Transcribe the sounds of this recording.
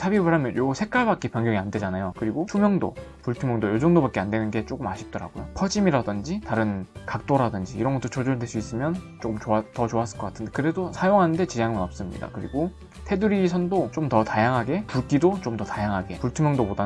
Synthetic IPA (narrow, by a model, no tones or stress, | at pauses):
sʰabibaɾamjʌnjosʰe̞k͈aɭbak͈epjʌŋɡjʌŋiande̞d͡ʑanajokɯɾiɡotʰumjʌŋdo̰puɭtʰumjʌŋdojoɭd͡ʑʌŋdobak͈eande̞nɯnɡe̞t͡ɕ͈ok͈ɯmaɕʰi̥p̚t͈ʌɾa̰ɡojopʰʌd͡ʑimiɾadɯnd͡ʑitaɾɯnkak̚t͈oɾadɯnd͡ʑiːɾʌnɡʌt͈ːot͡ɕʰʌd͡ʑodweɭs͈uis͈ɯmjʌn | t͡ɕ͈okɯmt͡ɕoatʌt͡ɕoas͈ɯɭk͈ʌkatʰɯnde̞kɯɾe̞dosʰajoŋɦanɯnde̞t͡ɕiaŋmɯnʌp̚s͈ɯmɲḭda̰kɯɾḭɡo | tʰe̞duɾisʰʌndot͡ɕomtʌtajaŋɦaɡe̞puɭk͈idot͡ɕomtʌtajaŋɦaɡe̞puɭtʰumjʌŋdopoda